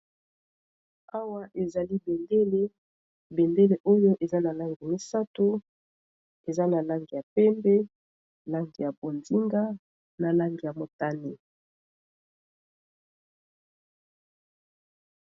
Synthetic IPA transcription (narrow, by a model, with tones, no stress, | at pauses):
a˦wa˦ʔe˨za˨li˦be˨nde˦le˦ | be˨nde˦le˨ʔo˦jo˦ʔe˨za˦na˨la˦ŋɡi˨mi˦sa˦to˦ | e˨za˦na˨la˦ŋɡi˨ja˨pɛ˦mbɛ˦ | la˦ŋɡi˨ja˨bo˨ndi˦ŋɡa˦ | na˨la˦ŋɡi˨ja˨mo˨ta˦ni˨